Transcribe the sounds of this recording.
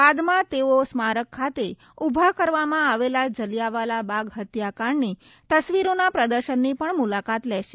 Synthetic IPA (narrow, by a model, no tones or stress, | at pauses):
bad̪mãt̪eosmaɾəkʰːat̪e | ubʱakəɾʋamãaʋelad͡ʒəlijaʋalabaɡɦət̪jakaɳni | t̪əsʋiɾonapɾəd̪əɾʃənːipəɳmulakat̪lɛʃe